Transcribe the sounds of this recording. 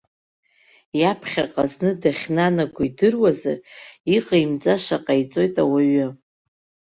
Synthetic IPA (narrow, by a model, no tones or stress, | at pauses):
japʰχʲa̰qʼaznɨdaχʲnanaɡʷʊidɨrwaza̰riqʼaimd͡zʼaʃaqʼajt͡sʼo̞jtʼawaɥɨ